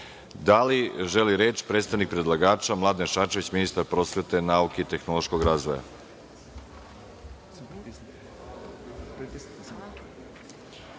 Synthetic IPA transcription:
d̪aliʒeliɾeːt͡ʃpɾeːt̪st̪aʋnik̚pɾed̪lˠaɡaːt͡ʃamlˠad̪eʃat͡ʃeʋit͡ɕminist̪aɾpɾo̞sʋe̞t̪e̞nauke̞it̪e̞xno̞lˠo̞ʃko̞ɡɾaːzʋoja̰

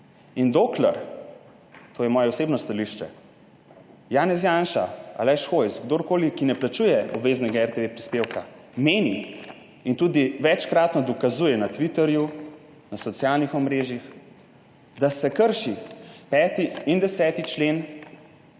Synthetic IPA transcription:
ind̪okla̰ɾ | t̪ʰoːjɛmɔːjɛɔseːbnɔst̪aliʃt͡ʃɛ̰ | jaːnɛs̬janʃa̰a̰lɛʃxojsɡd̪oːɾkoːlikinɛplat͡ʃujɛʔɔbʋeːznɛɡaɛɾt̪eʋepɾispewka | meːni | int̪uːd̪iʋɛt͡ʃkɾat̪nɔd̪ɔkazuːjɛnat̪ʋit̪ɛɾju | nasɔt̪sijalnixɔmɾeːʒjix | d̪asɛkəɾʃipɛːt̪iind̪ɛsɛːt̪it͡ʃlen

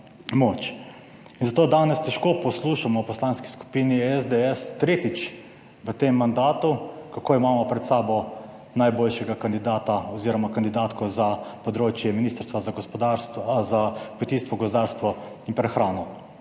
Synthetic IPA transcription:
moːt͡ʃ | inzat̪oːd̪aːnɛst̪ɛʃkoːpɔsluːʃamɔpɔslaːnski̥sku̥piniɛzd̪eɛst̪ɾeːt̪it͡ʃ | ʋət̪emːand̪aːt̪ukakoːimaːmɔpɾɛt̪saːbɔ | najboːlʃɛɡakand̪id̪aːt̪aɔziːɾɔmakand̪id̪aːt̪kɔzapɔd̪ɾoːt͡ʃjɛminiːst̪əɾst̪ʋazaɡɔspɔd̪aɾszakmɛt̪iːst̪ʋɔɡɔsp̬ɔd̪aːɾst̪ʋɔ | inpɾɛxɾaːnɔ

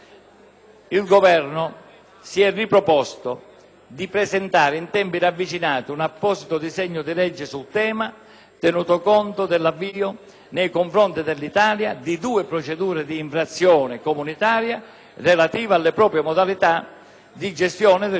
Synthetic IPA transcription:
ilɡovɛɾnʊ | siɛrːipɾɔpɔst̪o | d̪ipɾɛsɛnt̪aːɾɪint̪ɛmpiɾavːit͡ʃinaːt̪iunapːɔsit̪ʊd̪izɛɲːʊd̪ilɛd͡ʒːɪsult̪ɛːma | t̪enuːt̪okɔnt̪ʊd̪ɪlːavːiːʊ | nejkoɱfɾɔnt̪id̪ɪlːit̪aːljad̪id̪uːɪpɾot͡ʃed̪uːɾɪd̪iːɱfɾat̪sːjɔːnɪkomunit̪aːɾja | relat̪iːvaalːɪpɾɔːpɾjemɔd̪alit̪a | d̪id͡ʒɛst̪jɔːnɪd̪

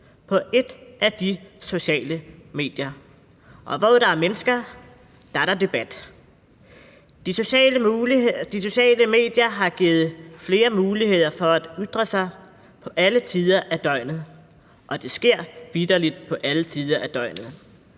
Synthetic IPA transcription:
pʰɒ̽ʔe̝d̥ʔæd̥iso̝ɕɛ̰ːləme̝̰ːd̥jɐ | ʔɒ̽ʋɒɾ̥ɑ̈æɐmenəsɡ̥ɐ | d̥ɑ̈ɾɑd̥e̝b̥æd̥ | d̥iso̝ɕɛːləd̥iso̝ɕɛ̰ːləme̝̰ːd̥jɐɦɑ̈ɡ̥iːð̞̩ˠfle̝ːɐmuːlihe̝ð̞̰ˠɐfɒ̽æd̥yd̥ʁɐsɑ̈ɪ | pʰɒ̽ʔælət͡sʰiːð̞ˠɐʔæd̥ɒ̽ɪ̰nð̩ˠ | ʔɒ̽d̥e̝sɡ̥e̝ɐ̰ʋid̥ɐlid̥̚pʰɒ̽ʔælət͡sʰiːðˠɐʔæd̥ɒ̽ɪ̰nð̩ˠ

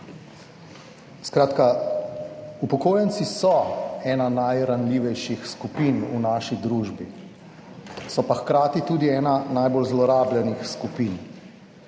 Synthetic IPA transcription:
skɾaːt̪ka | upɔkoːjɛnsisɔɛːnanajɾanliːʋɛjʃixskupinṵnaːʃid̪ɾuːʒbḭ | sɔpaxkɾaːt̪it̪uːd̪iɛːnanajbolzlɔɾaːbljɛnixskupiːn

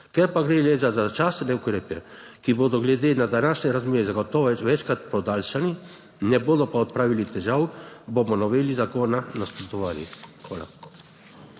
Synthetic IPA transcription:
kɛɾpaɡɾeːleːzazat͡ʃast̪nɛukɾeːpɛ | kiboːd̪ɔɡlɛd̪eːnad̪anaːʃnɛɾazmeːɾɛzaɡɔt̪ɔɛʋɛt͡ʃkɾat̪pɔd̪aːlʃani | nɛboːd̪ɔpaɔt̪̚pɾaːʋilit̪ɛʒaːwbomɔnɔʋeːlizakoːnanaspɾɔt̪ɔʋaːlixʋa̰ːla̰

